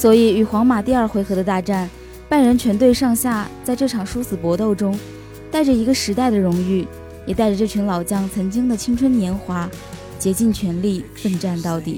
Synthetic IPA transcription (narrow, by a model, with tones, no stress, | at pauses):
swɔ˧˥i˨˩y˨˩xwɑ˧˥ŋma˨˩t̪i˥˧ɐ˞˥˩xwe˧˥ɪxɤ˧˥d̪ə˧t̪a˥˧ʈ͡ʂa˥˩n | pa˥˩nɻə˧˥nt͡ɕʰɥɛ˧˥nt̪we˥˧ɪʂɑ˥˧ŋɕja˥˧t͡sa˥˧ɪʈ͡ʂɤ˥˩ʈ͡ʂʰɑ˨˩ŋʂu˥sɹ̩˨˩pwɔ˧˥t̪o˥˩ʊʈ͡ʂʊ˥ŋ | t̪a˥˩ɪʈ͡ʂə˩i˧˥ɡə˧ʂɻ̩˧˥t̪a˥˩ɪd̪ə˩ɻʊ˧˥ŋy˥˩ | jɛ˨˩t̪a˥˩ɪʈ͡ʂə˩ʈ͡ʂɤ˥˩t͡ɕʰy˧˥ŋlɑ˨˩ʊt͡ɕjɑ˥ŋt͡sʰɤ˧˥ŋt͡ɕi˥ŋd̪ə˨t͡ɕʰi˥ŋʈ͡ʂʰwə˥njɛ˧˥nxwa˧˥ | t͡ɕjɛ˧˥t͡ɕi˥˩nt͡ɕʰɥɛ˧˥nli˥˩fə˥˧ŋʈ͡ʂa˥˧nt̪ɑ˥˩ʊt̪ḭ˨˩˦